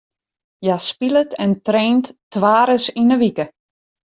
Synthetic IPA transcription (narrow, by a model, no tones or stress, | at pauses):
jaspilətʰɛntreːnttʋaːɾəsinəʋikə